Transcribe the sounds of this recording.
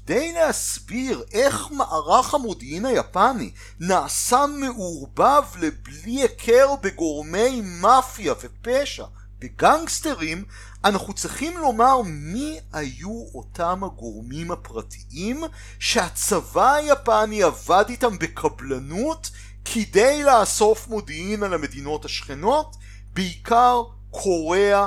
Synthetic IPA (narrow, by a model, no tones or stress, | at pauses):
d̪ejlehasbiʁe̞χmaʔaʁaχhamodiinajapanḭ | naːsaːeʔuʁbavlebliekʰeʁbeɡo̞ʁme̞jmafjavepeʃa̰ | beɡaŋɡsteʁim | anaχut͡sʁiχimlo̞maʁmiajuo̞tamhaɡo̞ʁmimapʁatʰiʔim | ʃeat͡savajapaniavaditambekʰablanut | kʰidejlaːso̞fmo̞diimalame̞dino̞thaʃχeno̞t | beikaʁ | kʰo̞ʁea